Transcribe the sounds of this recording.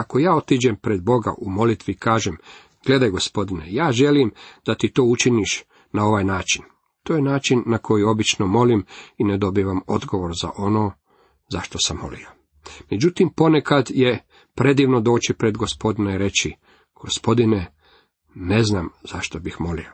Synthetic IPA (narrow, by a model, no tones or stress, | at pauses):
ako̞jaːo̞t̪id͡ʑempɾed̪̚bo̞ɡa̰ʔumo̞lit̪ʋikaːʒem | ɡ̥le̞d̪ajɡo̞spo̞d̪inejaːʒe̞limd̪̥at̪it̪o̞ːut͡ʃiniʃ | nao̞ʋajnaːt͡ʃin | t̪oːjenaːt͡ʃinːakʰo̞jio̞bit͡ʃnomo̞limined̪o̞biʋamo̞d̪ɡo̞ʋo̞ɾza̰ʔo̞noː | zaʃt̪osamːo̰lḭo | med͡ʑut̪impo̞ne̞kad̪je | pɾe̞d̪iːʋno̞d̪o̞ːt͡ʃipɾe̞d̪ɡo̞spo̞d̪ineiɾe̞t͡ʃi | ɡ̥o̞spo̞d̪ine | ne̞znamz̥aʃt̪o̞bixmo̞lḭo